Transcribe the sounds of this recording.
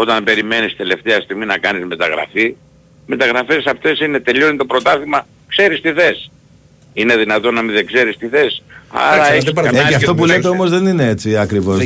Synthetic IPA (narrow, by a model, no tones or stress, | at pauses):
o̞t̪ɐnbe̞ɾime̞nist̪e̞le̞ft̪eɐst̪iɣminɐkɐnizme̞t̪ɐɣɾɐ̰fi | me̞t̪ɐɣɾɐfe̞sɐft̪e̞sinet̪e̞ʎonit̪o̞pɾo̞t̪ɐθimɐ | kse̞ɾist̪iθe̞s | ine̞ðinɐt̪o̞nːɐmĩðeɡze̞ɾist̪iθe̞sɐ̰ɾɐefsɐɐeɐft̪o̞p̬ulet̪eomo̞zðe̞nine̞et͡siɐkɾivo̞s